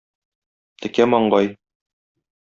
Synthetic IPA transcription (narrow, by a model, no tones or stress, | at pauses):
t̪ʰɘ̆kæmɒɴɢɑj